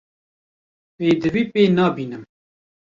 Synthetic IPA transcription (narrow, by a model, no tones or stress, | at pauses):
peːd̪ɨviːpeːnɑːbiːnɨm